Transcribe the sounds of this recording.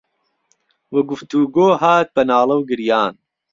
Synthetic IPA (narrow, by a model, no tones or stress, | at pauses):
wɐɡʊft̪uːɡoːɦaːt̪̚bɐnaːlˠɐwɡɨɾjaːn